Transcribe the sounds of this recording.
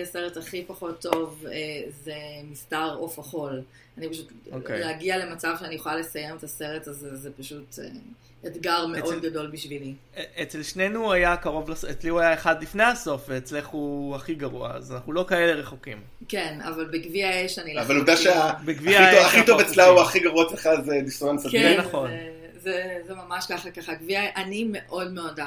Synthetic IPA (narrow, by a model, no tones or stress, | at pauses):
seʁetaχipaχo̞tʰːovezemistaʁofaχo̞l | anipaʃutokeleaɡiale̞mat͡savʃeanijeχolale̞sajemetase̞ʁetazezepaʃute | etɡaʁmeʔo̞d̚ɡado̞lbiʃvili | et͡selʃnenuajakaʁo̞vlaset͡sliuajaeχad̪lifnehaso̞fveːt͡sleχuaχiɡaʁua̰a̰zanaχnulokae̞le̞ʁe̞χokim | kena̰valbeɡviaeʃaniavalud̪aʃeabeɡviaaχit̪ovet͡slauaχiɡaʁuat͡sleχazed̪isuansaɡenaχo̞n | zezemamaʃkaχakaχaɡviaʔanimeʔo̞dmeo̞da